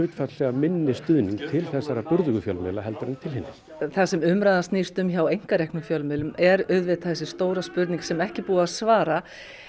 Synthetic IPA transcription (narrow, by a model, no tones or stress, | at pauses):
ʏːt̪fat̪lɛɣamɪnːɪst̪ʏðniŋk̚t̪ʰɪlθɛsːaɾapʏɾðʏɣʏfjɔlmɪlaɦɛlt̪ɾɪnt̪ʰɪlhɪnːɪ | θasɛmʏmɾajðast̪nist̪ʏmçawejŋ̥kaɾɛhknʏfjœlmɪlʏmɛɾœðvɛːt̪aθɛsːɪ̥st̪oːwɾaspʏɾt̪niŋksɛmɛhcɪpuːaðsvaːɾa